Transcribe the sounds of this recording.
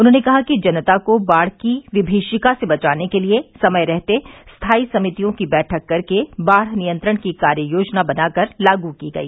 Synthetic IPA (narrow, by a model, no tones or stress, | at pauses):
ʊnɦõːnekɐɦakid͡ʒɐnt̪akobaːɽ̤kiʋɪbʱeːʃɪkasebɐt͡ʃaːnekeliesɐməjɾɛɦt̪est̪ʰaːisɐmɪt̪ijõkibɛːʈʰəkːɐɾkebaːɽnijə̃nt̪ɾəɽ̃kikaːɾjəjoːd͡ʒnabɐnaːkɐɾlaːɡukiɡɐ̰iː